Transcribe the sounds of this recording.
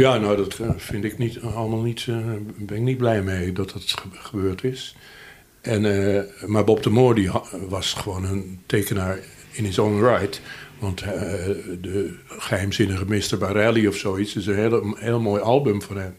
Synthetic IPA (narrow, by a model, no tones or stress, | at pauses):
jaːnowdɔtfɪndɪknitɑlˠəmalˠnitbɛnɪk̚nid̚blɛjmejdɔt̚dətχəbøːɹtʰɪs | ʔɛnmaɹbɔptəmoːɹdiʋɑsχəʋoːnəntʰeːkənaːɹ | ɪnɪsonrajtʋɑnt | dəχəɦɛjmzɪnəɣəmɪstəɹbaɾɛlˠiɔfsoːitsɪsənɦelheːlˠmoːjɑlˠbəmfɔnhɛm